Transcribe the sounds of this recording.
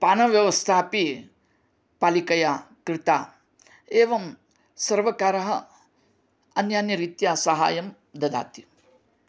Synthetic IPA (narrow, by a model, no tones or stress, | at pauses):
paːnɐʋjɐʋɐst̪ʰaːpi | paːlikɐjaːkɾɪt̪aː | eːʋɐm | sɐɾʋɐkaːɾɐɦɐ | ɐnjaːnjɐɾiːt̪jaːsɐɦa̰ːjɐm | d̪ɐd̪a̰ːt̪i